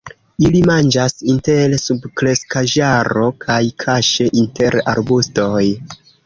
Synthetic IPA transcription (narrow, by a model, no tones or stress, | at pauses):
ilimand͡ʒasinte̞lsubkɾe̞skaʒaɾo̞kʰajkʰaʃeʔinte̞ɾa̰ɾbusto̞j